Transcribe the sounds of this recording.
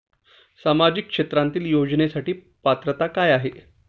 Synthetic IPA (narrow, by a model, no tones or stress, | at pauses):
samad͡ʑikːʂet̪ɾãnt̪iːljod͡znesaʈiː | pat̪ɾət̪akajaɦe